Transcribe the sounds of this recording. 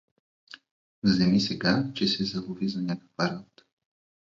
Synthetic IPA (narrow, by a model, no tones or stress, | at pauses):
zɛmisɛɡat͡ʃɛsɛzɐlˠuvizanʲakə̥kpaɾat̪